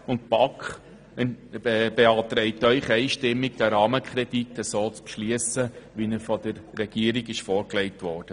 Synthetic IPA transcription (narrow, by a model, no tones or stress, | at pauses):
ʊnt̚pɑkχ | b̥eɑːtɾɛɪtœʏχɛɪʃtɪmːiɡd̥̪ɛɾɑːməkχɾɛditːəsoːt͡spʃliəsəʋinəɾfɔd̥əɾːɛɡ̥iəɾiɡɪʃfɔːɾklɛɪtʋɔːrd̥ə